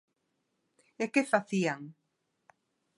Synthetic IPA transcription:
ekefaθiaŋ

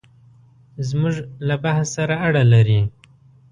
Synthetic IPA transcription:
zmʊʐlabahssaɾaaɽalaɾi

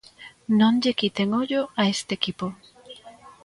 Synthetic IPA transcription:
nõnʎekit̪eŋoʎoaest̪eːkipo

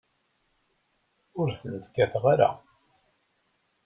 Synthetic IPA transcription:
ʊɾθənt̪kːæθʁaɾa̰

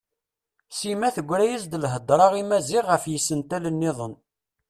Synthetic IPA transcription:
simæθəɡʷːɾæjisd̪əlɦəd̪ˤɾˤɑʁimæziʁːəfjisənt̪ælənːɪðˤən

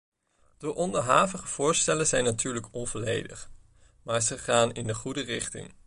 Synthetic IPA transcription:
d̥əʔɔndəɹɦaːvəχəv̥ʊːɹstɛləzɛjnːatʰyːɹləkɔnvolḛjdə̰χ | maːɹzəχaːnɪndəχudərɪχtɪ̰ŋ

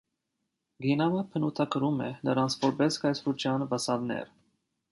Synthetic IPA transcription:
ɡinɑməpʰənut̪ʰɑkəɾumɛ̰nəɾɑnt͡sʰvɔɾbɛskɑjsɾut͡ʃʰjɑnvəsɑd̪nɛ̰ɾ

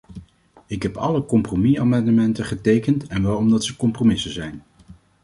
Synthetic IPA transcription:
ɪkɦɛpɑ̰ləkɔmpromiamɑndəmɛntəχətejkəntɛnʋɛlˠɔmdɑtsəkɔmpromɪsənzɛjn

